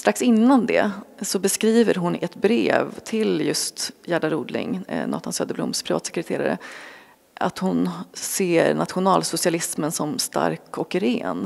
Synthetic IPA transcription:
st̪ɾaksɪnːand̪ɛ̰sɔbɛskɾiːvəɾɦʊnɛt̪bɾḛːvt̪ʰɪljɵst̪jæːɖaɾuːd̪lɪ̰ŋnɔ̰t̪hansœːd̪əblʊ̰mspʰɾɪvɑ̰ːt̪sɛkɾɛt̪ʰeːɾa̰ɾə̰ | a̰t̪hʊnseːɾnat̪ɧʊnɑːlsʊsɪalɪsmənsɔmst̪a̰ɾkʰɔkɾḛːn

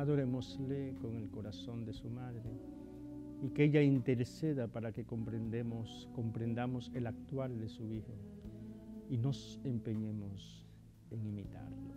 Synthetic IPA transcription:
aðo̞ɾemosleko̞ŋe̞lko̞ɾaso̞nd̪e̞sumaðɾe | ikeeʎaint̪e̞ɾse̞ðapaɾakekompɾend̪emos | ko̞mpɾe̞nd̪amo̞se̞lak̚t̪wald̪e̞suixo | ino̞se̞mpeɲemo̞s | e̞ŋimit̪a̰ɾlo

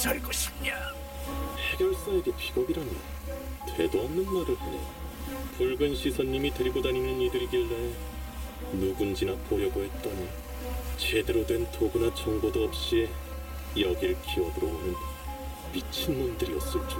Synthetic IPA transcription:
t͡ɕʌɭɡʌɕʰi̥ma | he̞ɡjʌɭs͈aeɡepiɡʌɡiɾanjɯn | tʰwe̞doanːɯnmaɾɯɭpoɲapuɭɡɯnɕʰisʰʌɲːimitɯɾiɡodanimjʌnidɯɾiɡiɭːae | nuɡund͡ʑinakojʌboɦet̚t͈ʌne | t͡ɕe̞de̞ɾodwe̞ntoɡunat͡ɕʌŋɡodoʌp̚ɕ͈i | jʌɡiɾɯɭkiwʌduɾʌonɯn | mit͡ɕʰɯnmundɯɾiʌs͈ʌt͡ɕ͈o

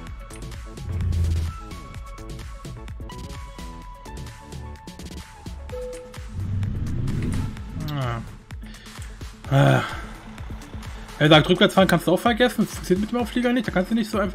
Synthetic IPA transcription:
a | aː | ʔɛzaːktʁʏkv̥ɛɐt͡sfaːʁnkʰanstd̥uaʊxfɛɐɡɛsn̩spʰasiɐtmɪtdeːmʔaʊfliːɡɐnɪçtd̥aːkanstd̥unɪçtz̥oːaɪnf

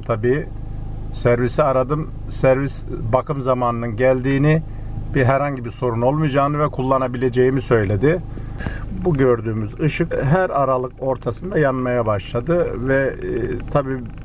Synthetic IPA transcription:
t̪ʰabiː | sæɾvisiaɾad̪ɯm | sæɾvisbakʰɯmzamaːnɯnɯnɟælʲd̪iːnɪ | biɦæɾhaɲɟibiɾso̞ɾuno̞lˠmɯjd͡ʒaːnɯvɛkʰulˠːanabilʲe̞d͡ʒe̞jimisø̞jlʲe̞d̪ɪ | buɟø̞ɾd̪yːmyzɯʃɯkɦæɾaɾalˠɯko̞ɾt̪ʰasɯnd̪ajanmajabaʃlˠad̪ɯvɛt̪ʰabiː

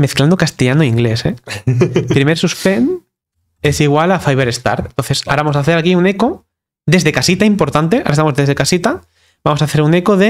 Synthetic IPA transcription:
me̞θklãnd̪okast̪eʝanoiŋɡle̞se | pɾimeɾsuspen | e̞siɣwalafajβeɾest̪a̰ɾt̪ent̪o̞nθe̞saɾaβamo̞saθeɾakiune̞ko̞ | d̪e̞zðekasit̪aimpo̞ɾt̪ant̪e̞a̰ɾaest̪amo̞zðe̞zðekasit̪a | bamo̞saθe̞ɾune̞koðe̞

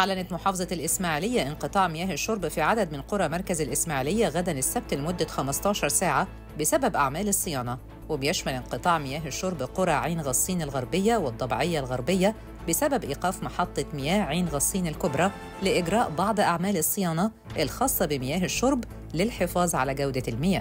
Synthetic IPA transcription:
ʔaʕlænæt̪mʊħɑːfɑzˤɑlʔɪsmaːʕilɪjːæʔɪnqɨt̪ˤɑːʕmɪjæːhɪʃːoɾbfiʕad̪æd̪mɪnqoɾˤɑmɑɾˤkæzælʔɪsmaːʕilɪjːæɣæd̪ænɪsːæb̚t̪lmʊd̪ːæxæmɑst̪ˤɑːʃɑɾˤsaːʕa | bɪsæbæbʔaʕmæːlɨsˤːɨjɑːnɑ | wɪbɪjæʃmælɪnqɨt̪ˤɑːʕmɪjæːɦɪʃːoɾˤbqoɾˤɑʕiːnɣɑsˤːiːnɪlɣɑɾˤbɪjːæwɪd̪ˤːɑbʕɪjːalɣɑɾˤbɪjːæ | bɪsæbæbʔiːqɑːfmɑħɑt̪ˤːɑmɪjæːhʕiːnɣɑsˤːiːnɪlkʊbɾˤɑ | lɪʔɪɡɾˤɑːʔbɑʕd̪ˤʔaʕmæːlɨsˤːɨjɑːnɑ | ʔɪlxɑːsˤːɑbɪmɪjæːɦɪʃːʊɾˤb | lɪlħefɑːzˤʕa̰læɡæwd̪ælmɪjæː

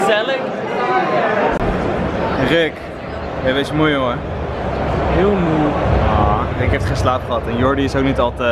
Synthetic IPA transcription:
zɛlək | rɪk | ɛʋesmujoŋə | ɦɪːlˠmujarɪkɦɛftχenslaːpχəɦɑtɛnjɔɹdiɪsowk̚nitɑlˠtə

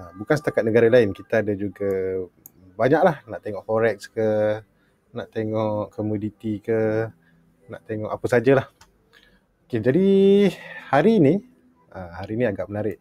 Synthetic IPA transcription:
bukansət̪akat̪̚nəɡaɾalaɪnkit̪aadad͡ʒuɡa | baɲaʔ̚lahnaʔt̪eŋɔʔfoɾɛk̚skə | naʔt̪eŋɔʔkʰomudit̪ikə | naʔt̪eŋɔ̰ʔapəsad͡ʒalah | oked͡ʒadi | haɾini | ahaɾiniaɡaʔmənaɾɪʔ

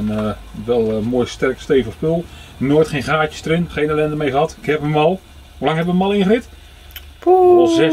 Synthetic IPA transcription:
ən | ʋɛlˠmoːjstɛrksteːvəχspølˠnoːjtχeːnχaːt͡ʃə̥stərɪnχeːnɛlɛndəmejxəɑtɪkhɛpənʋɑlˠ | hulaŋɦɛpʋənmɑlˠɪ̃nχərɪt | ɔzɛ

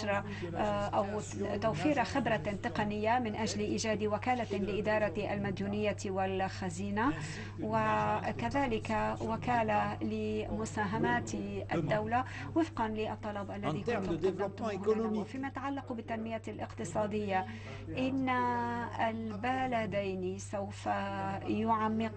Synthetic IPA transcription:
ɾˤɑ | ʔaw | t̪awfiːɾaxɪbɾat̪ɪqɑnɪjːamɪnʔaʒlʔiːʒaːd̪wakaːlalɪʔɪd̪ɑːɾˤɑʔalmad̪juːnɪjːawɪlxaziːna | wɪkaðaːlɪkawakaːlalɪmʊsaːɦamaːt̪ʔad̪ːawla | wɪfqɑnlɪʔɑt̪ˤːɑlɑbʔalːaðiːkʊnt̪admʊhfiːmajat̪aʕalːɑqbɪt̪ːanmɪjalʔɪqt̪ɨsˤɑːd̪ɪjːa | ʔɪnːaalbalad̪ajnisawfajʊʕamːɪq

